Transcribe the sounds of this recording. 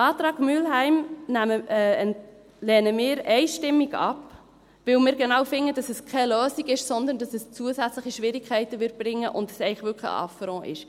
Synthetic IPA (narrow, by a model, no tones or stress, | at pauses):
ɑːt̪ɾɑːɡ̥myːlɦɛɪmnæmə | lɛːnəmɪːɾɛɪʃtɪmːiɡɑ̰p | ʋɪwmɪːɾɡɛnɑwfɪŋːəd̥ɑsɛskʰɛløːsiɡɪʃsɔnd̪əndɑsɛst͡suəsæt͡sləχiʃʋɪɾikʰɛɪtəʋɪɾt̚b̥ɾɪŋːəʔʊ̰ntəsɛɪχʋʏkχə̰ɑ̰fəɾɔ̃ːʔɪ̰ʃ